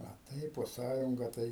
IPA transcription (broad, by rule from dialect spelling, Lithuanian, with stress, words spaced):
ɐ ˈtɐɪp poː ˈsɑːjʊŋɡɐ ˈtɐɪ